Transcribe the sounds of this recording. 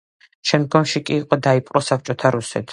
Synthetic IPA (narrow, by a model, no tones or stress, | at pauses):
ʃɛmd̪̚ɡɔmʃikʼiːqʼɔd̪aipʼqʼɾɔsap̚ʰt͡ʃʼɔt̪ʰaɾusɛ̰t̪ʰ